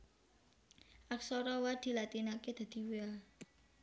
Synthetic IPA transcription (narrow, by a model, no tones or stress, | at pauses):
ʔaksɔɾɔwad̪̥i̤lat̪inaked̪̥a̤d̪̥i̤wea